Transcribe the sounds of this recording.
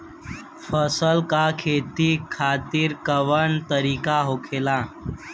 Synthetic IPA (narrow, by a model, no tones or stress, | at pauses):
fəsəlkakʰet̪iːkʰat̪iːɾkəʋəɳt̪əɾiːkaɦokʰela